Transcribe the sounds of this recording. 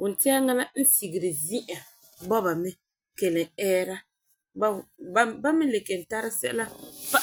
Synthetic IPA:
ʔʊ˨n̩˨tɪ˦a˦ŋa˦la˦n̩˦si˨ɡɪ˨ɾɪ˨zi˦ʔa˨ | bɔ˦ba˨mɛ˦ | ke˨lɪ˨ɛː˦ɾa˦ | bba˦mɪ˦le˨ke˨n˨ta˦ɾɪ˦sɛ̰˦la˦fa˦

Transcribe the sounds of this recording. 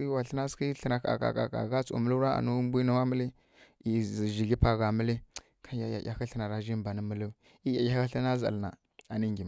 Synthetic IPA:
i˦wa˨ɬə˦na˦ski˦ɬə˦˨na˨ka̰˨ka̰˨ka̰˨ka̰˨ɣa˦t͡sṵ˨mə˦lu˦ɾa˦a̰˨nu˦mbʷu˦na˦wa˦mə˦li˦˨ | zi˨ʒi˨ɡi˦pa˨ɣa˨mə˦li˦ | ka˦ja˨ja̰˨ja˨kə˦ɬə˨na˨ɾa˦ʒi˦mba˨nə˦mə˦lu˦ | i˦ja˨ja˦ka˦ɬi˦na˦za̰˨lna̰˨ | a˨ni˦ŋɡʲi˨m˨

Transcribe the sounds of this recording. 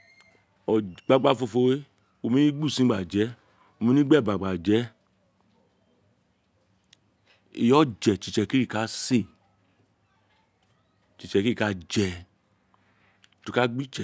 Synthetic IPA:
ɔ˨ɡ͡ba˦ɡ͡ba˦˨fo˧fo˧we˦ | o˧˨mĩ˦nĩ˦ɡ͡bu˦˨sĩ˨˦ɡ͡ba˨d͡ʒɛ˨˦ | o˧mĩ˨˦nĩ˦ɡ͡bɛ˦˨ba˨ɡ͡ba˨d͡ʒɛ˨˦ | i˨jɔ˦d͡ʒɛ˨t͡ʃi˨t͡ʃɛ˧˨ki˦ɾi˦˨ka˨˦se˦˨ | t͡ʃi˨t͡ʃɛ˧ki˦i˦˨ka˧˦d͡ʒɛ˧˨ | to˧ka˦ɡ͡bi˦t͡ʃɛ˨

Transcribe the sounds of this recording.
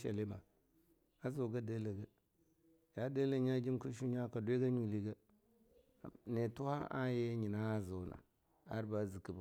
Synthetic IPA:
ʃa̰˨li˦ma˨ | a˦zo˨ɡa˦de˦le˨ɡa˦ | ja˨˦de˦le˦ɲa˦d͡ʒi˦mku˦ʃu˦ɲa˦ka˨dwi˦ɡa˦ɲu˨li˦ɡa˦˨ | ne˨tu˦ha˦ʔa̰˦je˦ɲi˨na˦˨za˨wna̰˨ | a˦ɾba˦zi˨ki˨ba˨

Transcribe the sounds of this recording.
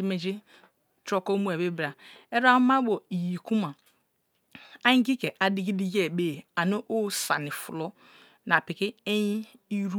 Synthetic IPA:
i˦me˨d͡ʒi˦ | t͡ʃɾo˦ko˦mu˦e˨be˦bɾa˨e˦ɾa˦ma˦bo˨i˨ji˨ku˦ma˨ | a˦ɲĩ˦ɡi˦ke˨ʔa˨di˦ɡi˦di˦ɡe˦˨be˦˨a˨no˦ʔo˦sa̰˨ni˨fu˨lo˦ | na˨pi˨ki˦e˦ji˦ | i˦ɾu˦

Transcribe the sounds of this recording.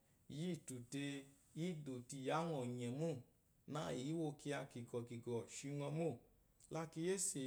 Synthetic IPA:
ji˦˨tu˨te˧ | i˦do˨ti˧˨ja˨˦ŋɔ˨ɲɛ˨mu˦˨ | na˦˨ji˨˦wo˧ki˧a˧ki˨ɡɔ˨ki˨ɡɔ˨ʃi˧ŋɔ̃˧mo˦˨ | la˧˦ki˧je˦se˨

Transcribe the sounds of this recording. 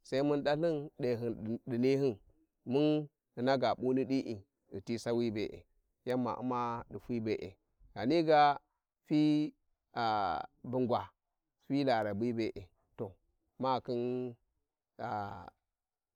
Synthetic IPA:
sa˦i˦mu˦nɗa˦ɬɨ˦nɗe˨ɦɨ˨n˨ɗi˨ni˦ɦi˦n | mu˦n | ɨ˨na˦ɡa˨ɓu˦ni˦ɗi˦ʔi˨ | i˨ti˦sa˦wi˦be˨ʔḛ˨ | ja˦mːa̰˨ʔṵ˦ma˦ɗi˨fi˦be˨ʔḛ˨ | ɡ̥a˨ni˦ɡa˦ | fi˦ | a˨bu˨ŋɡwa˨ | fi˦la˨ɾa˨bi˦be˨ʔe˨ | to˨ | ma˦˨ki˦n | a˨

